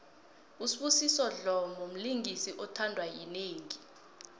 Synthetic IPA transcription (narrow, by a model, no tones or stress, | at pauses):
usiɓusisɔɮɔmom̩liŋisiʔɔtʰandʱwajineːŋi